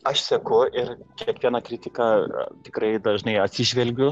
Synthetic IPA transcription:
ɐʃsʲɛkʊɪrkʲiɛkʋʲiɛnɐkɾʲɪt̪ʲɪkɑːt̪ʲɪkrɐɪd̪ɐʒnɐɪɐt̪ʲsʲɪʒʲʋʲɛlʲɡʲʊ

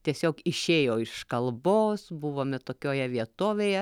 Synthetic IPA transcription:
t̪ʲiɛsʲoːkɪʃʲeːjoːɪʃkɐlˠboːsbʊʋoːmʲɛt̪oːkʲoːjɛʋʲiɛt̪oːʋʲeːjɛ

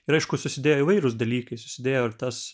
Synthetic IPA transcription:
ɪɾɐɪʃkʊsʊsʲɪd̪ʲeːjoːɪʋɐɪɾʊsd̪ɐlʲiːkɐɪsʊ̥sʲɪd̪ʲeːjoːɪrt̪ɐs

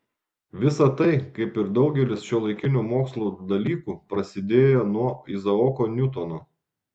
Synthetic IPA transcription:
ʋʲɪsɐt̪ɐɪkɐɪpɪɾd̪ɒʊɡʲɛlʲɪsʃʲulˠɐɪkʲɪnʲuːmoːkslˠoːd̪ɐlʲiːkuːpɾɐsʲɪd̪ʲeːjoːnuɔɪzɐɔkonʲʊt̪onoː

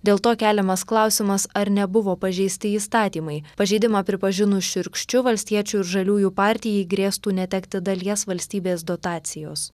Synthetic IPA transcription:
d̪ʲeːlˠt̪oːkʲæːlʲɛmɐsklˠɑˑʊsʲɪmɐsɐɾnʲɛbʊʋoːpɐʒʲɛɪsʲt̪ʲɪiːst̪ɑːt̪ʲiːmɐɪpɐʒʲɛɪd̪ʲɪmɑːpʲɾʲɪpɐʒʲɪnʊʃʲɪɾkʃʲt͡ʃʲʊʋɐlʲsʲt̪ʲiɛt͡ʃʲuːɪɾʒɐlʲuːjuːpɑːɾʲt̪ʲɪjɛɪɡɾʲeːst̪uːnʲɛt̪ʲɛkt̪ʲɪd̪ɐlʲiɛsʋɐlʲsʲt̪ʲiːbʲeːsd̪ot̪ɑːt̪sʲɪjoːs

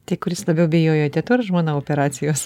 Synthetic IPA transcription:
t̪ɐɪkʊɾʲɪslˠɐbʲɛʊbʲɛjoːjot̪ʲɛt̪ʊɾʒmoːnɐoːpʲɛɾɑːt͡s̪ʲɪjoːs

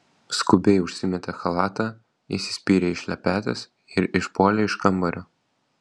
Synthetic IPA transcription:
skʊbʲɛɪʊʃʲsʲɪmʲɛt̪ʲɛxɐlˠɑːt̪ɑ | isʲɪ̥sʲpʲiːɾʲɛɪʃʲlʲɛpʲæːt̪ʲɛs | ɪɾɪʃpoːlʲɛɪʃkɐmbɐɾʲoː

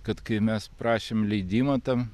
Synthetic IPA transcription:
kɐt̪kɐɪmʲɛspɾɑːʃʲeːmlʲɛɪd̪ʲiːmɐt̪ɐm

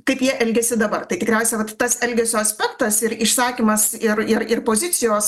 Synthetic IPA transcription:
kɐɪpjiɛʔɛlʲɡʲɛsʲɪd̪ɐbɐrt̪ɐɪt̪ʲɪkɾʲɛˑʊsʲɛʋɐt̪ːɐsɛlʲɡʲɛsʲoːɐsʲpʲɛkt̪ɐsɪɾɪʃsɑːkʲimɐsɪɾɪɾɪrpoːzʲɪt̪sʲɪjoːs

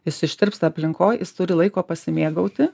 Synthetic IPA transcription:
ɪsɪʃʲt̪ʲɪɾpst̪ɐpʲlʲɪŋkoːjjɪst̪ʊɾʲɪlˠɐɪkoːpɐsʲɪmʲeːɡɐʊt̪ʲɪ

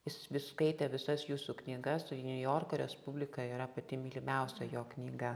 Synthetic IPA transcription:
ɪsʲsʋʲɪskɐɪt̪ʲɛʋʲɪsɐsjuːsuːknʲiːɡɐsnʲʊjoːrkoːɾʲɛspʊbʲlʲɪkɐiːɾɐpɐt̪ʲɪmʲɪlʲɪmʲɛʊsʲɛjoːknʲiːɡɐ

